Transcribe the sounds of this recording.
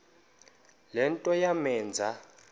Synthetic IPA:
lɛntʼɔjamɛːnd͡zʱa

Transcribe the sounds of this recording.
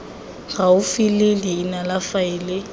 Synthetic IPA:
ɣaʊfilɪliːnalafaɪːlɪ

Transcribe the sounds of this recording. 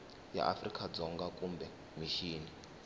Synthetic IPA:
ja̰ʔa̰frikʼad͡zɔŋɡakumbɛ | miʃiːni

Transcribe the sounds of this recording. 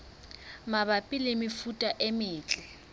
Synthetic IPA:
mabapʼɪlɪmɪfutʼaʔemɪːt͡ɬʼɛ

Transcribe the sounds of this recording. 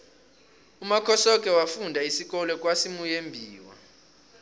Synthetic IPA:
umakʰɔsɔkʼɛwafundʱaisik̬ʼɔlɔkʼwasimujembʱiːwa̰

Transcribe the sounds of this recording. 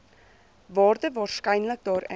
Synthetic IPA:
vɑːrdəvɑːrskɛjnlək̚dɑːɾɛ

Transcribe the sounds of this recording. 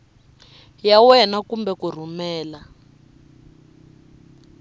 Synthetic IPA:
jawɛnakumbɛkur̤umɛːla

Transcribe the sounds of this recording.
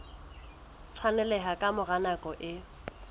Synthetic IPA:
t͡sʰwanɛlɛɦakʼamʊɣanakʼɔʔɪ

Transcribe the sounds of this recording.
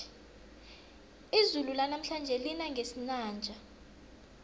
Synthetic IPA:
izululanam̩ɬand͡ʒʱɛlinaŋɡʱesinaːnd͡ʒʱa

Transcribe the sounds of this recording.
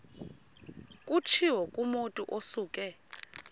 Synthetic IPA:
kʼut͡ʃʰiwɔkʼumutʼuʔosuːkʼɛ

